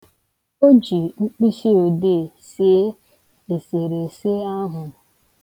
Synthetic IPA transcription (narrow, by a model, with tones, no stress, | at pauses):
o˦d͡ʒi˨ŋ͡m̩˦k͡pi˦ʃi˦o˨de˦˨ | se˦ | e˨se˨ɾe˨se˦a˦ɦʊ˨